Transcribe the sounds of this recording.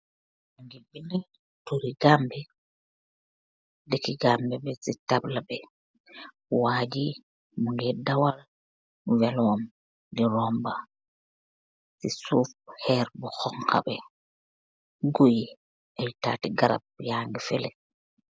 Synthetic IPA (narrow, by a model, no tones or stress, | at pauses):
muŋɡibini | tuɾiɡambɛ | dekiɡambɛbɛsitablabɛ | waːd͡ʒi | muŋɡɛdawal | wɛlwɔm | diɾɔmba | sisufhɛɾbɔhɔŋkʰa̰bɛ | ɡoji | ɛta̰ːtiɡaɾa̰b̚jaŋɡifɛlɛ